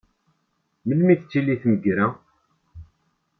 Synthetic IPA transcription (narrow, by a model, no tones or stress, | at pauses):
məlmiθt͡sːiliθməɡɾæ